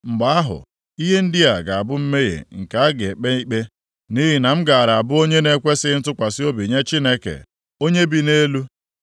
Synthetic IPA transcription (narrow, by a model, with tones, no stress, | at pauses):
ŋ͡m̩˨ɡ͡ba˨˦a˦ɦʊ̰˨ | i˦ɦe˦n̩˦dɪ˦a˨ɡa˨a˨bʊ˦m̩˦me˦jḛ˨ŋ̩˨ka˨˦a˦ɡe˨k͡pe˦i˦k͡pe˦ | ni˦ɦi˨na˨m̩˦ɡa˨ɾa˨a˨bʊ˦o˦ɲe˦ne˦kʷe˦sɪ˦n̩˦tʊ˦kʷa˨sɪ˦o˦bi˨ɲe˦t͡ʃi˦ne˦kḛ˨ | o˦ɲe˦bi˦ne˦lu˦